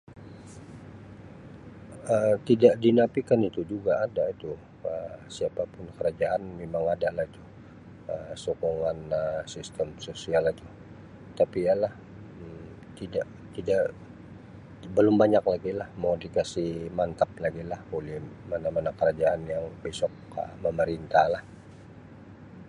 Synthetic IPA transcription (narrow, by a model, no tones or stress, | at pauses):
əmt̪idaʔdinapikanit̪ud͡ʒuɡaːdait̪u | əsiapapʊnkəɾad͡ʒaʔanmemaŋadalahit̪u | əsokoŋanəsist̪əmsosialit̪u | t̪apialah | m | t̪idaʔ | t̪idaʔ | bəlʊmbaɲaklaɡilahmodikasimant̪ap̚laɡilaholɪhmanamanakəɾad͡ʒaʔanjaŋbesɔk̚ə̰məməɾint̪alah